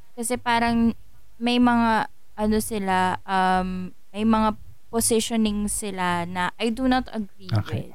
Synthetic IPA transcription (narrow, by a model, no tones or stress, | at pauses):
kɐsɛpaːɾɐŋ | mɐjmɐŋa | ʔɐnosɪlaʔɐmː | ɐjmɐŋa | posɪʃonɪŋsɪlanɐʔajd̪unɐt̪ɐ̰ɡɾikɛ̰